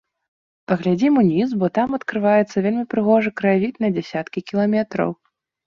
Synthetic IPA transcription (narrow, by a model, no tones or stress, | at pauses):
pɐɣlʲad͡zʲimunʲis̬bɔt̪amɐt̪kɾɨvajɛt̪sːɐvʲelʲmʲipɾɨɣɔʐɨkɾɐjavʲit̪nɐd͡zʲɛsʲat̪kʲikʲilˠamʲɛt̪ɾɐ̰w